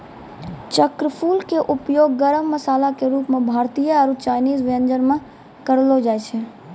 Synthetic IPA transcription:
t͡ʃəkɾəpʰuːlkeʔʊpjoːɡːəɾəmːəsaːlakeɾuːpmãbʱaːɾt̪ijəaɾut͡ʃaːjniːzʋənd͡ʒəɾmã | kəɽlod͡ʒaːjt͡ʃʰe

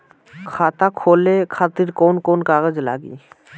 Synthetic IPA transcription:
kʰaːt̪akʰoːlekʰaːt̪ɪɾkoːnkoːnkaːɣəd͡ʒla̰ːɡḭː

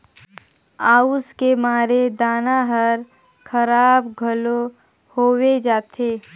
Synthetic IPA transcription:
aːuskemaːɾed̪aːnaɦəɾ | kʰəɾaːbɡʱəlo | hoːwed͡ʒaːt̪ʰeː

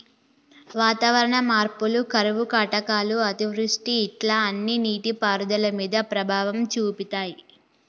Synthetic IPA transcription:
ʋaːt̪aːʋɐɾɐɳɐmaːɾpulukɐɾɐʋukɐʈɐkaːluɐt̪iʋɾuʂʈiːʈlaːɐnːiniːʈipaːɾud̪ɐlɐmiːd̪ɐpɾɐbʱaːʋɐmt͡ʃuːpit̪aːji

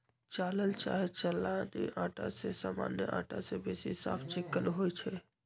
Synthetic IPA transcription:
t͡ʃaləlt͡ʃa̰ːɦet͡ʃəlːaniʔaʈa̰sesaːma̰njə̰ʔa̰ʈasebesisa̰pʰt͡ʃekːəlɦojt͡ʃʰɛ

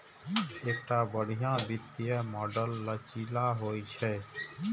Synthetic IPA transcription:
eːk̚ʈabəɽ̤ijãbɪt̪ːijəmɔːɖəlːət͡ʃilaɦojt͡ʃʰɛ

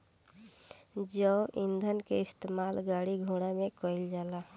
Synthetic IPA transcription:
d͡ʒɔʔind̪ʱənkeɪst̪emalɡaːɽiɡʱuɽ̃amẽkɔɪld͡ʒaːla

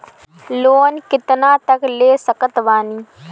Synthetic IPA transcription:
loːnkɪt̪nãːt̪əkleːsəkət̪ʋaːniː

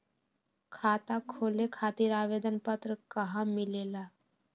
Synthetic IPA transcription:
kʰaːt̪akʰoːlekʰaːt̪iːɾaːʋeːd̪ənpət̪ɾəkəɦamɪleːlaː

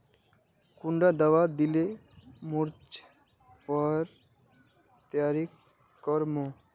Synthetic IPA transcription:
kuɳɖad̪awad̪ile | muɾt͡ʃ | pɔɾ | t̪jaɾik | kːɔɾmo

